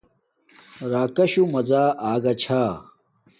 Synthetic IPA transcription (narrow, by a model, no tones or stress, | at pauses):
ɾaːkɐɕumɐd͡zaːʔaːɡɐt͡ɕʰaː